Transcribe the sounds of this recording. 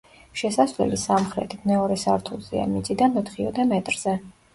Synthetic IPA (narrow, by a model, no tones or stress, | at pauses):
ʃɛsasvlɛ̰lisamχɾɛ̰t̪ʰimɛɔɾɛsaɾt̪ʰulˠzɛ̰a̰mit̪sʼid̪anmɛt̪χiɔd̪ɛmɛt̪ʼɾz̥ɛ